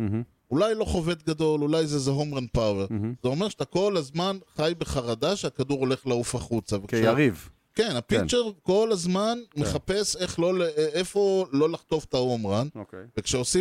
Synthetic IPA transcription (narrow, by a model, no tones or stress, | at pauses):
ulajlo̞χove̞d̪ɡad̪o̞lulajzezeɦomʁanpaweʁz̥eo̞me̞ʁʃat̪ako̞lazmanχajbeχaʁad̪aʃeakaduʁo̞le̞χlaufaχut͡savekʃaʁiv | ke̞napikt͡ʃeʁko̞lazmanmeχape̞seχlolefo̞lo̞laχt̪o̞ft̪aomʁanokvekʃeosi